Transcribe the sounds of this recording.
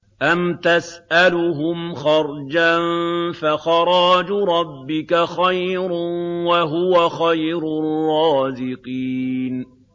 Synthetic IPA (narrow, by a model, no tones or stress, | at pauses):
ʔamt̪asʔalʊɦʊmxɑɾˤd͡ʒanfaxɑɾˤɑːd͡ʒɾˤɑbːɪkaxajɾnwaɦʊwaxajɾʊrˤːɑːzɪqiːn